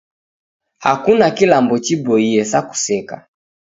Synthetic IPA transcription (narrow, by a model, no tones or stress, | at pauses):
hakunakilambɔt͡ʃibɔiɛsaku̥sɛka̰